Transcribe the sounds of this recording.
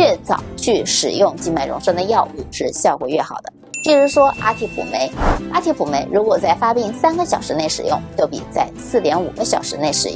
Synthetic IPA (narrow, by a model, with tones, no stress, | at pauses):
ɛ˥˩t͡sɑ̰˨˩ʊt͡ɕʰy˥˩ʂɻ̩˨˩jʊ˥˧ŋt͡ɕi˥˧nma˥˩ɪɻʊ̰˧˥ŋʂɤ˥ŋd̪ə˧jɑ˥˧ʊʔu˥˧ʂɻ̩˥˧ɕjɑ˥˩ʊkwɔ̰˨˩ɥɛ˥˩xɑ˨˩ʊd̪ə˦t͡ɕi˥˩ʂu˧˥ʂwɔ˥ʔa̰˥t̪ʰi˧˥pʰṵ˨˩me˧˥ɪa˥t̪ʰi˧˥pʰu˨˩me˧˥ɪɻu˧˥kwɔ˨˩t͡sa˥˩ɪfa˥pi˥˩ŋsa˥nɡə˧˨ɕjɑ˨˩ʊʂɻ̩˧˥ne˥˩ɪʂɻ̩˨˩jʊ̰˥˧ŋt͡ɕjo˥˩ʊpḭ˨˩t͡sa˥˧ɪsɹ̩˥˩t̪jɛ˧˥nṵ˨˩ɡə˦ɕjɑ˨˩ʊʂɻ̩˧˥ne˥˩ɪʂɻ̩˨˩